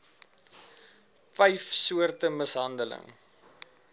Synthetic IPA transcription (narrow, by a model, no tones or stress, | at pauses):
fɛjfsuərtəməsɦɐndələ̰ŋ